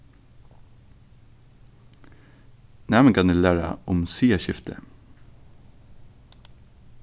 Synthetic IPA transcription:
næːməkɑnʉːlæːɹɑ̰ʔʊmsiːəʃɪft̪ʰə̰

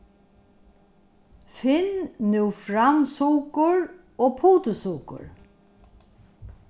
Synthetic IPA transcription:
fɪnnʉfɾamsuːkʊɹ | oːpʰuːt̪əsuːkʊ̰ɹ

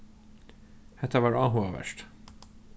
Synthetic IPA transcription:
hɛt̪ʰəʋɑːɹɑːɦuəʋə̰ʃʈ

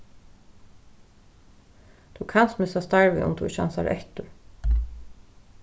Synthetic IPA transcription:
t̪ʰukʰanst̪mɪsast̪aɹʋɪ̰ʔʊ̰mt̪ʰuʃa̰nsaɾʔɛ̰ht̪ʊ

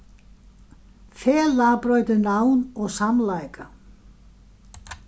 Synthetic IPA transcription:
fɛːlaːpɾœːɥt̪ʏnawnɔɣsamlaːjka

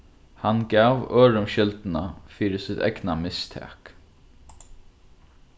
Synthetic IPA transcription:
hanɡaːʋøːɹʊmʃɪlt̪nafiːɾɪsɪt̪ɛ̰knamɪst̪ʰɛ̰ːk

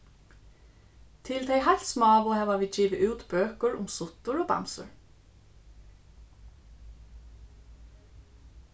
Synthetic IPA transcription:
t̪ʰɪlt̪ʰejɦajt̪smɑːʋʊhɛːʋaʋiːd͡ʒiːʋɪʔʉːt̪bøːkəɹʊmsʊt̪ʊɹɔːba̰msʊ̰ɹ

